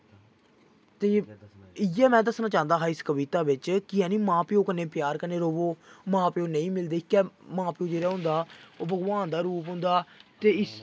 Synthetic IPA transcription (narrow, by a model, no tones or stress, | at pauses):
t̪eːɪjɛːmɛ̃ːd̪əsnãːt͡ʃãːnd̪aːɦaːɪskəʋiːt̪aːʋɪt͡ʃkɪɛ̃ːnĩːmãːpɪjõːkənẽːpjaːɾkəneːɾoːʋoːmãːpɪõːnəĩːmɪld̪eːɪkːɛːmãːpɪjõːd͡ʒeːɾaːɦʊ̃nd̪aːoːbəɡʋaːnd̪aːɾuːp̬ɦʊ̃nd̪aːt̪eːɪs